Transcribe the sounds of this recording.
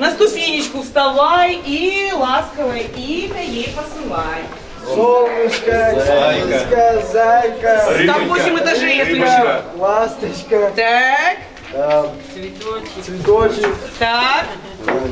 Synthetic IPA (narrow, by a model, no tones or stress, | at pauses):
nɐst̪ʊpʲenʲɪt͡ɕkʊfst̪ɐlajilˠaskəvəjəimʲɐjejpəsɨlˠaj | solˠnʲɪt͡ɕkəaɪkəzajkət̪amvosʲɪmɨt̪ɐʐɛjʲɛlʲɪʃlˠast̪ət͡ɕkət̪ak | d̪asvʲɪosvʲɪd̪ot͡ɕɪt̪ak